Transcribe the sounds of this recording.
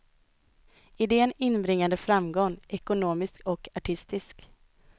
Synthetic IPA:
ɪd̪eːənɪnːbɾɪŋːand̪əfɾamɡɔŋʔɛkʊnoːmɪskɔkaʈʰɪst̪ɪsk

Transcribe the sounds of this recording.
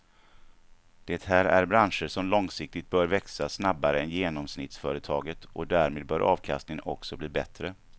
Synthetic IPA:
d̪̥ɛt̪hæːɾæɾbɾanʂəʂɔmlɔŋsɪk̚t̪ɪt̪̚bœːɾvɛksasnabːaɾəɛnjeːnɔmsnɪt̪sfœːɾət̪ʰɑːɡət̪ʔɔd̪æɾmeːd̪̚bœːɾʔɑːvkʰa̰st̪ɪŋənɔksɔbliːbɛt̪ɾə

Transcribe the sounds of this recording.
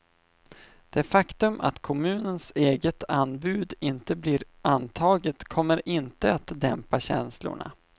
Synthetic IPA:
d̪̥ɛfakt̪ɵmʔa̰t̪kʰɔmʉ̟ːnənseːɡət̪ʰanːbʉ̟ːd̪ɪnt̪əbliɾ | ʔant̪ʰɑːɡət̪kʰɔmːəɾʔɪnt̪əat̪d̪ɛmpaɕɛ̰nslʊ̰ɳa̰

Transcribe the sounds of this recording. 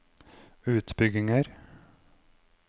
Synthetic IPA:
ʉːt̪bʏɡɪŋəɾ

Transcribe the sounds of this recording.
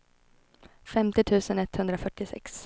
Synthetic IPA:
fɛmt̪ɪt̪ʰʉ̟ːsənɛt̪ːhɵnd̪ɾafœʈːɪsɛ̰ks

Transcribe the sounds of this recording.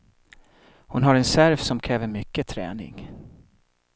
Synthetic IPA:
hʊnɦaɾɛnsæɾvsɔmkʰɾɛːvəɾmʏkːət̪ʰɾɛ̰ːnɪ̰ŋ

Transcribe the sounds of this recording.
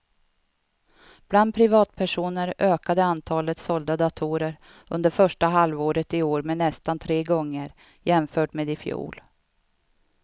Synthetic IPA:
b̥land̪̚pʰɾɪvɑːt̪̚pʰæʂuːnəɾʔøːkad̪əant̪ʰɑːlət̪sɔld̪ad̪at̪ʰuːɾəɾ | ʔɵnd̪əɾfœʂʈaɦalvoːɾət̪ɪoːɾmenɛst̪ant̪ʰɾeːɡɔŋːəɾ | jɛmfœːʈmeːd̪ɪfjṵːl

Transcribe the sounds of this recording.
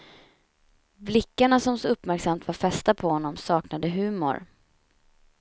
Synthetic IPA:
blɪkːaɳasɔmsɔɵpːmæɾksamt̪vaɾfɛst̪apʰɔhɔnːɔmsɑːknad̪əɦʉ̟ːmʊ̰ɾ

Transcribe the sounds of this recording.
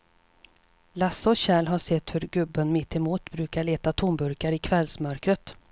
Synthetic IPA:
lasːɔɕɛːlɦaʂɛt̪ːhɵɾɡɵbːənmɪt̪ʰːɛmuːt̪bɾʉ̟ːkaɭeːt̪at̪ʰuːnbɵɾkaɾɪkʰvɛlsmœɾkɾət̪

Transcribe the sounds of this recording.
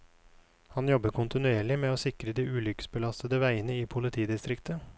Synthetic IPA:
hɑnjɔbəɾkʰʊnt̪ɪnʉeːɭɪmeːoːsɪkɾəd̪iːʉːlʏkə̥sbəlɑst̪əd̪əʋæɪənəiːpʰʊlɪt̪ʰiːd̪ɪst̪ɾɪkt̪ʰə

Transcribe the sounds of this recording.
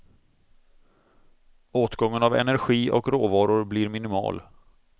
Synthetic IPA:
oːt̪ɡɔŋːənavɛ̰næɾɧiːʔɔ̰kɾoːvɑːɾʊɾblɪɾmɪnɪmɑ̰ːl

